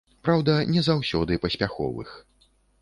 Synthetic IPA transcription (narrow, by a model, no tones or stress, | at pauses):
pɾawd̪ɐnʲɛzawsʲɔd̪ɨpɐsʲpʲaxɔ̰vɨ̰x